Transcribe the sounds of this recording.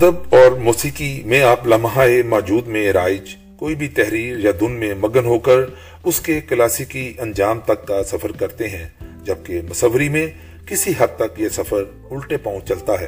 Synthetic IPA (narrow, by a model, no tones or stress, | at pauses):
ɐd̪əbɔːɾmoːsiːkimẽaːplɐmɦãemɔːd͡ʒuːd̪mẽɾaːɪd͡ʒ | koːibʱit̪ɛɦɾiːɾjad̪ʊnmẽmɐɡənɦoːkəɾ | ʊskekəlaːsikiɐ̃nd͡ʒaːmt̪ɐkːasɐfəɾkɐɾt̪eɦɛ̃d͡ʒɐb̚kemɐsəʋɾimẽ | kɪsiɦɐd̪̚t̪ɐkjesɐfəɾ | ʊlʈepãʊ̃t͡ʃɐlt̪aɦɛ̰ː